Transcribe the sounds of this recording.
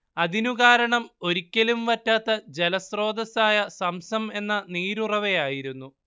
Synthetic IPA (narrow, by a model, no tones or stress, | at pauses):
ɐðinuɣaːɾɐɳɐmo̞ɾikʲːɐlumʋɐtːaːt̪ːɐd͡ʑe̞lɐsro̞ːd̪ɐsaːjɐsɐmsɐme̞nːɐniːɾurɐʋejaːjiɾunːu